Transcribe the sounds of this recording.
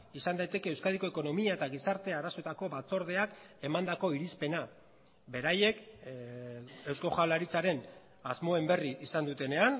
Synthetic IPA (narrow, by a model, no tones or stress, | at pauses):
isand̪ajt̪e̞ke̞ːwskaðiko̞e̞ko̞no̞miaet̪aɣisaɾt̪e̞aɾaso̞et̪ako̞βat͡so̞ɾð̞e̞ak | e̞mand̪ako̞iɾispe̞na | be̞ɾaje̞k | e̞wsko̞xalaɾit͡saɾe̞n | azmo̞e̞mbe̞riʔisand̪ut̪e̞ne̞an